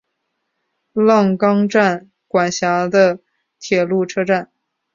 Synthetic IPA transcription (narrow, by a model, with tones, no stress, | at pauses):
lɑ˥˩ŋkɑ˥ŋʈ͡ʂa˥˩n | kwa˨˩nɕja˧˥d̪ə˧ | t̪ʰjɛ˨˩lu˥˩ʈ͡ʂʰɤ˥ʈ͡ʂa˥˩n